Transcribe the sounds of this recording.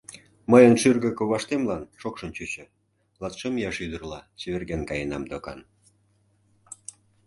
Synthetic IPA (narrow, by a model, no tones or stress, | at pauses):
məjənʃyrɣə̆koβɑʃt̪emlɑnʃokʃə̆nt͡ɕyt͡ɕə̆ | lɑt̪ʃemjɑʃyd̪ərlɑt͡ɕeβerɣenkɑjenɑmd̪okɑ̰n